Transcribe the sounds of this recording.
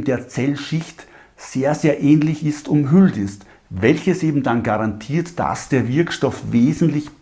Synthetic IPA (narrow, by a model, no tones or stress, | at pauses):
d̥eːɐt͡sɛlʃɪçt | z̥eːɐzeːɐʔɛːnlɪçɪstʊmɦʏltɪst | vɛlçəseːbm̩danɡaʁantʰiːɐtd̥a̰sd̥eːɐvɪɐkʃtɔfveːzn̩tlɪç